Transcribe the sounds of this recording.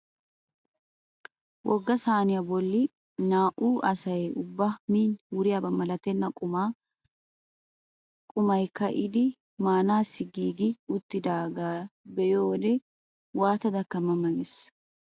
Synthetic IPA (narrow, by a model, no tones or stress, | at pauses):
wʔɔɡːɐsaːnɪjɐbɔlːɪ | naːʔuːʔɐsɐjɛʔʊbːɐmiːnwʊɾɪjɐbɐmːɐlɐt̪ɛnːɐkʼʊmaː | kʼʊmɐjkɐʔɪd̪ɪ | maːnaːsɪɡiːɡɪʊt̪ːɪd̪aːɡabɛjoːd̪ɛ | waːt̪ɐd̪ɐkːɐmɐmɐnɛs